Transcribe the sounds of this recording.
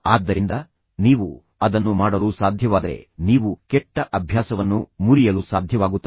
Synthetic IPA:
aːd̪ːɐɾind̪ɐ | niːʋu | ɐd̪ɐnːumaːɽɐlusaːd̪ʱjɐʋaːd̪ɐɾe̞̰niːʋukɛʈːɐʔɐbʱjaːsɐʋɐnːumuɾijɐlusaːd̪ʱjɐʋaːɡut̪ːɐ

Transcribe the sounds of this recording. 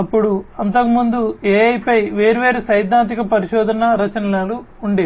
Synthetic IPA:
ɐpːuɽuɐnt̪ɐkumund̪ueːɐjpɐjʋe̞ːɾiʋeːɾusɐjd̪ʱːaːnt̪̬ikɐpɐɾiʃɔːd̪ʱɐnɐɾɐt͡ʃɐnɐlɐluː | ɳɖe

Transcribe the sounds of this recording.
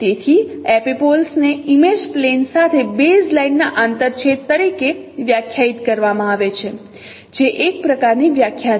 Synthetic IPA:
t̪et̪ʰiɛpipolsneimed͡ʒplensat̪ʰebezlaiɖnaʔant̪əɾt͡ʃʰet̪ːəɾikeʋjakʰjait̪kəɾʋamãaʋet͡ʃʰe | d͡ʒeʔek̚pɾəkaɾniʋjakʰja

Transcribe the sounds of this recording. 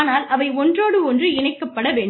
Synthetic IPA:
naːlɐʋɐɪɔndroːɽɯɔndrɯɪɳɐɪkːɐpːɐɽɐʋeːɳ

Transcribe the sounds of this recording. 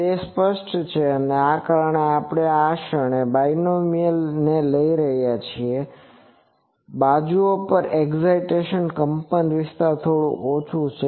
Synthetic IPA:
espəʃʈt͡ʃʰeəneakaɾəɳeapəɽ̃eaʃəɳ̃ebajnomiəlneləiɾəɦjat͡ʃʰie | bad͡ʒuopəɾeɡzaiʈeʃənkəmpənʋɪst̪aɾt̪ʰoɽṵ̃ʔot͡ʃʰũt͡ʃʰe

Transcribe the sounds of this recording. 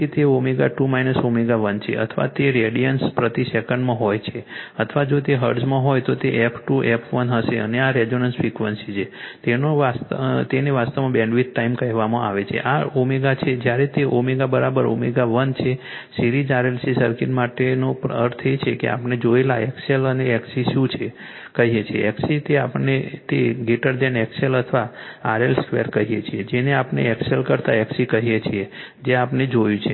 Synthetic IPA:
ket̪eomeɡaʈumainəsomeɡaʋənt͡ʃʰḛʔə̰t̪ʰʋa̰t̪eɾeɽijənspɾət̪isekəɳɖmãɦojt͡ʃʰeət̪ʰʋad͡ʒot̪eɦəɾɖsmãɦojt̪ot̪eʔɛpʰʈuʔɛpʰʋənɦəʃeəneaɾed͡ʒonənsfikʋənsit͡ʃʰet̪enoʋast̪eneʋast̪amãbẽɳɖʋit̪̚ʈaimkəɦʋamãa̰ʋet͡ʃʰḛʔaomeɡat͡ʃʰed͡ʒjaɾet̪eʔomeɡabəɾabəɾo̰meɡaʋənt͡ʃʰe | siɾid͡ʒaɾelsisəɾkinmaʈenopəɾt̪ʰet͡ʃʰekḛa̰pned͡ʒoelaɛkseləneːksiʃũt͡ʃʰe | kəɦijet͡ʃʰiḛʔɛksit̪eapəɳnːet̪eɡiʈəɾd͡ʒɛnɛkselət̪ʰʋaaɾelskʋeɾkəɦijet͡ʃʰied͡ʒeneapnḛɛkselkəɾt̪aɛksikəɦijet͡ʃʰied͡ʒeapned͡ʒojũt͡ʃʰe

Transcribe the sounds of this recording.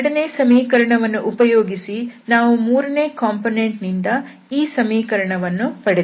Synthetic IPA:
ɽɐneːsɐmiːkɐɾɐɳɐʋɐnːuʔupɐjoːɡisinaːʋumuːɾɐne̞ːkaːmponeɳʈnind̪ɐ | iːsɐmiːkɐɾɐɳɐʋɐnːupɐɽe

